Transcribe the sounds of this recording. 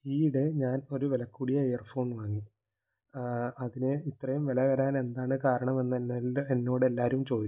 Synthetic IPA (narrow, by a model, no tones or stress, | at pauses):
iːɽeɲaːno̞ɾuʋelɐkːuːɽijɐejɐrfo̞ːɳʋaːŋːi | ɐðinɨit̪ːrɐjumʋelɐɣɐɾaːne̞nd̪aːɳɨkaːɾɐɳɐme̞nːenenːo̞ːɽe̞lːaːɾumt͡ɕo̞ːd̪i